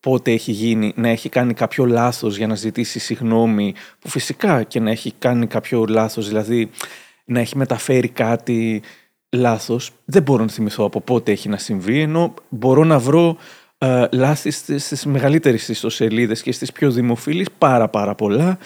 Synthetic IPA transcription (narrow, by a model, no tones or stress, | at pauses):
po̞t̪e̞eçiʝininɐe̞çikɐnikɐpço̞lɐθo̞zʝɐnɐzit̪isisiɣno̞mipufisikɐce̞nɐe̞çikɐnikɐpço̞lɐθo̞zðilɐði | nɐe̞çime̞t̪ɐfe̞ɾikɐt̪i | lɐθo̞sðebo̞ɾo̞nɐθimiθo̞ɐpo̞po̞t̪e̞e̞çinɐsiɱvie̞no̞bo̞ɾo̞nɐvɾo̞ | lɐθist̪st̪izme̞ɣɐlit̪e̞ɾist̪ist̪o̞se̞liðe̞sce̞st̪ispço̞ðimo̞filispɐɾɐpɐɾɐpo̞lɐ